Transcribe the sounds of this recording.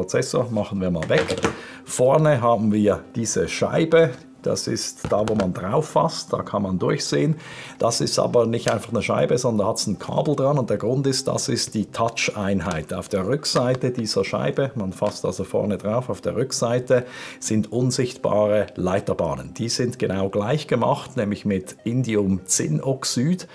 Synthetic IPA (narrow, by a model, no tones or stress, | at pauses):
ot͡sɛsoːmaχn̩viːɐmaːlvɛk | fɔɐnəɦaːbn̩viːɐd̥iːzəʃa̰ɪbə | d̥a̰sɪ̰std̥aːvoːmandʁaʊfːa̰st̚d̥a̰ːkʰanmandʊɐçz̥eːənd̥asɪstʔa̰ːbɐnɪçtaɪnfɑχnəʃa̰ɪbəzɔndɐndahatsn̩kʰa̰ːbl̩dʁanʊnt̚d̥eːɐɡʁʊntɪstd̥a̰sɪst̚d̥iːtʰat͡ʃʔaɪnɦaɪtaʊfd̥eːɐʁʏkz̥aɪtədiːzɐʃa̰ɪbəmanfastalz̥ofɔ̰ɐnədʁaʊfaʊfd̥eːʁʏkz̥aɪtəz̥ɪntʔʊnzɪçtb̥a̰ːʁəlaɪtɐba̰ːnənd̥iːzɪntɡ̥ənaʊɡlaɪçɡ̥əma̰χtnɛːmlɪçmɪtɪndiʊmt͡sɪnʔɔksyːd